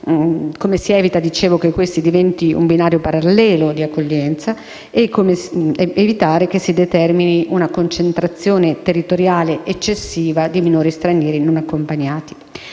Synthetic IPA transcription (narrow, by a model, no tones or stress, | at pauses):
komesiɛːvit̪ad̪it͡ʃeːvokekːwest̪id̪ivɛnt̪iṵmbinaːɾjopaɾalːɛːlod̪iakːoʎːɛnt̪sa | ekːomeevit̪aːɾekesːid̪et̪ɛrminiʔunakont͡ʃent̪ɾat̪sːjoːnet̪erːit̪oɾjaːleʔet͡ʃːesːiːvad̪iminoːɾist̪ɾanjɛːɾinonakːompaɲːaːt̪i̥